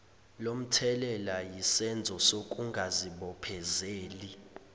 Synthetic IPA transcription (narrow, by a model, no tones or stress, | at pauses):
lom̩tʰɛlɛlajisɛnd͡zʱɔsok̬ʼuŋɡʱaziɓɔpʰɛzeːli